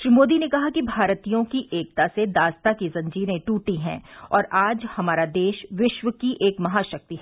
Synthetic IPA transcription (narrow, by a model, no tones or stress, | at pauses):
ʃɾimoːd̪inẽkɐɦakibʱaːɾt̪ijõkiʔeːk̚t̪ased̪aːst̪akizɐ̃ɲd͡ʒiːɾẽʈuːʈiɦɛ̰̃ːɔːɾʔaːd͡ʒhɐmaːɾad̪eːʃʋɪʃʋəkiʔeːkmɐɦaʃɐk̚t̪iɦɛ